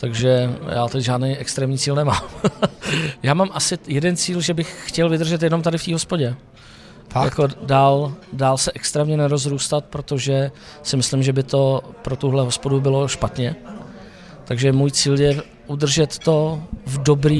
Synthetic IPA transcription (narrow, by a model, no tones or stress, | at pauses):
t̪aɡʒɛja̰ːt̪ɛcʒaːdnejʔɛkst̪ɾɛːmɲiːt͡siːlnɛmaːm | jaːmaːmʔasɪjɛdɛnt͡siːlʒɛbɪxːcɛlvɪd̪r̩ʒɛt̪jɛnomt̪adɪft̪iːɦospoɟɛ | jako̞daːldaːlsɛʔɛkst̪ɾɛːmɲɛnɛɾo̞zɾuːst̪at̪̚pɾo̞t̪o̞ʒɛ | sɪmɪslɪmʒɛbɪt̪o̞pɾot̪uɦlɛɦospo̞dubɪlo̞ʃpat̪ɲɛ | t̪aɡʒɛmuːjt͡siːljɛ | ʔudr̩ʒɛt̪ːo̞vdo̞bɾiː